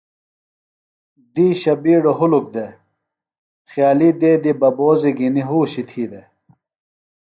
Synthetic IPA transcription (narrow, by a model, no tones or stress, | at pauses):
d̪iːɕɐbiːɽoɦuluk̚d̪e | xjaːlid̪eːd̪ibɐboːziɡiniɦuːɕit̪ʰiːd̪e